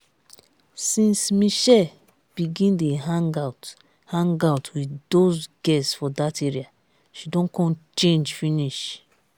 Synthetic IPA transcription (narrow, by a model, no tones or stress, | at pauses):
sĩnsmiʃɛ | b̥iɡĩndeɦãŋɡat | hãŋɡaʊtwidosɡɛssfɔdateɹia | ʃidõnkɔ̃nt͡ʃẽnd͡ʒfĩniʃ